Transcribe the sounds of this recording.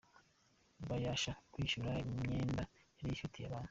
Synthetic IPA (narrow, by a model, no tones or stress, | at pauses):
βajaʃakwiːʃuɾaimɲe̞ːndaeɾiʃutijaβaːnuu